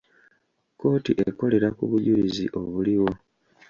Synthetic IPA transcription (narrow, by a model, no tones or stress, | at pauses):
ko̞ːtiʔeko̞le̞ɾakuβuɟuɾiziʔo̞βuliwo̞